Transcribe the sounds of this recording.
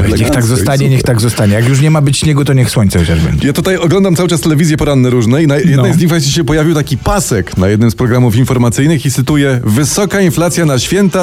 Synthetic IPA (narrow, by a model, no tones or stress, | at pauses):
ɲɛxt̪aɡzɔst̪aɲɛɲɛxt̪aɡzɔst̪aɲɛjakjuʂ̬ɲɛmabɘt͡ɕɲɛɡɔt̪ɔɲɛxswɔɲʲtsɛxɔt͡ɕaʐbɛ̰ɲʲd͡ʑɛjat̪ut̪ajɔɡlɔnd̪amt̪awɘt͡ʂast̪ɛlɛvʲizjɛpɔɾanːɛɾuʐnɛinajjɛd̪nɛjzɲixvɛt͡ɕt͡ɕiɕɛpɔjavʲiwt̪akʲipasɛkna̰jɛd̪nɨmspɾɔɡɾamufinfɔɾmat̪sɘjnɘxit̪sɘt̪ujɛvɘsɔkainflat̪sʲjanaɕfʲjɛnt̪a